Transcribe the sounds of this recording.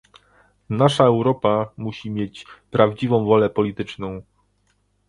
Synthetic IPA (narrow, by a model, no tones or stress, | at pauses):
naʂaɛwɾɔpamuɕimʲjet͡ɕpɾavd͡ʑivɔ̃w̃vɔlɛpɔlʲit̪ɘt͡ʂnɔ̃w̃